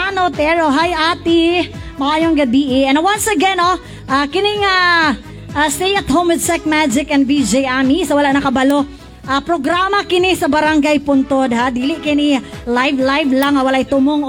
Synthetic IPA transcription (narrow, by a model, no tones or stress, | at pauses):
anot̪ɛɹoɦajʔaːt̪i | mɐʔaːjoŋɡɐbiːʔɪʔɛnwansɐɡɛno | ʔaːkɪnɪŋa | ʔast̪ejɐt̪homwɪd̪̚sɛk̚mad͡ʒɪkɛnd̪bid͡ʒejʔamisɐwɐlaʔnɐkɐbɐlo | ʔapɾoɡɾaːmɐkɪnisɐbɐɾaŋɡajpʊnt̪od̪had̪iːlɪʔkɪnilajvlajvlaŋɐwɐlaʔt̪ʊmoŋ